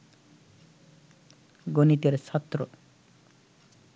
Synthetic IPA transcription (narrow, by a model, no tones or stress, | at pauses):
ɡonit̪jɔɾesʰɔt̪ːɾɔ